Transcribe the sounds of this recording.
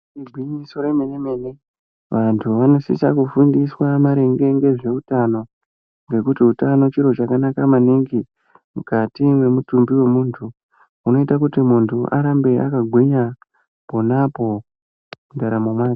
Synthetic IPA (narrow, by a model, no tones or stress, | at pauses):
iɡʱwiɲiso̞ɾemeneme̞ne | ʋantʰuʋano̞sḭsakufundiswamaɾe̞ŋɡe̞ŋɡe̞ʐe̞utano̞ | ŋɡe̞kutiutano̞t͡ʃiɾo̞t͡ʃakanakamaniŋɡi | mukatiwe̞mutumbiwe̞muːntʰu | uno̞itakutimuntʰuʔa̰ɾambe̞ʔa̰kaɡʱwiɲa | po̞napo̞ | mundaɾamomwaːi̥